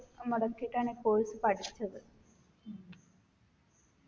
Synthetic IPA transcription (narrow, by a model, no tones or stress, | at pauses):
muɽɐkːiiʈːaːɳepo̞ːlisɨpɐʈʰit͡ɕːɐðɨ